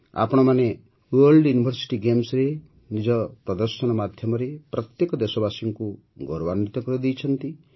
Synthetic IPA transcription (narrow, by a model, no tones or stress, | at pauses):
a̰pɔɽ̃ɔmane | wɔɾlɖjunibʱɔɾsi̥ʈiɡemsɾe | nid͡ʒɔpɾɔd̪ɔɾsɔnɔmad̪ʱjɔmɔɾepɾɔt̪jekɔd̪esɔbasiŋku | ɡɔɾɔβanːit̪ɔkɔɾid̪ijt͡ʃʰɔnt̪i